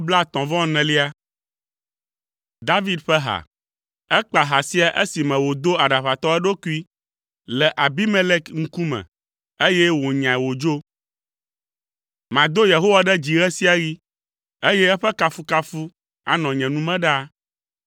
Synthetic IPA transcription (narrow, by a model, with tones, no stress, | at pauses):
bla˦t̪ɔ̃˨vɔ̃˦nɛ̃˨li˦a˦ | d̪a˦vi˦d̪ɸɛ˦ɦa̰˨ | ɛ˦k͡pa˨ɦa˨si˦a˨ʔe˦si˨mɛ̃˨wo˨d̪o˦a˨ɖa˨ɸa˨t̪ɔ˦ɛ˦ɖo˦ku˦i˦ | lɛ˨ʔa˨bi˦me˦le˦kŋ̩˦ku˦mɛ̰̃˨ | e˦jɛ˦wo˨ɲã˨ɛ˨wo˨d͡ʒo˦ | mã˨d̪o˦je˨ɦo˦wa˦ɖɛ˦d͡ʑi˨ɣɛ˦si˦a˦ɣi˦ | e˦jɛ˦ɛ˦ɸɛ˦ka˦fu˦ka˦fu˦ | a̰˨nɔ̃˨ɲɛ̃˨nũ˦mɛ̃˦ɖa˦